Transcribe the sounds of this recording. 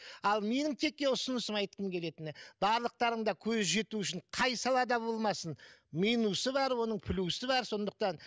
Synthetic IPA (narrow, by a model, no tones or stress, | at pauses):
ɑlˠme̞nɪŋt̪ʰe̞k̚kʲːe̞ʊsənəsəmɑjt̪qəmkʲʰe̞le̞t̪ɪnɪb̥ɑɾlˠəq̚t̪ɑɾəɴd̪ɑkʲʰɵzʒe̞t̪uʏʃɪɴqʰɑjsɑlˠɑd̪ɑbo̞lˠmɑsənmijnusəbɑɾwo̞nəɴpʰɪlʲusəbɑɾso̞nd̪əq̚t̪ɑn